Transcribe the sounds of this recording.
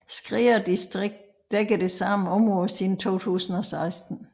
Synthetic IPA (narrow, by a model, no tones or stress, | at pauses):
sɡ̥ʁiːɐd̥isd̥ʁeɡ̥̚d̥ | d̥eɡ̥əd̥e̝sɑ̈m̰n̩ɔ̽mʁɔðsiðn̩t͡sʰo̝̰ːt͡sʰṵːsn̩ɒ̽sɑ̈ɪsd̥n̩